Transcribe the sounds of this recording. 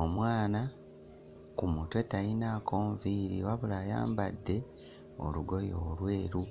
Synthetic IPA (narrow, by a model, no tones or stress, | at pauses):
omwaːna | kumutwe̞tainaːkʰoːɱviːɾḭwaβulaːja̰ːmbadːe̞ | o̞̰luɡo̞joːlwe̞ːɾu